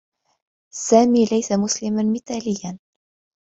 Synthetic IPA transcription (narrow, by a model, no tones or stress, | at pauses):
sæmilæjsæmʊslimɘnmit̪ælijæn